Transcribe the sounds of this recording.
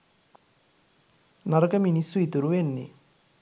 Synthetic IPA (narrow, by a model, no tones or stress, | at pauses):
nɐɾɐkɐminisuit̪uɾuʋenːḭ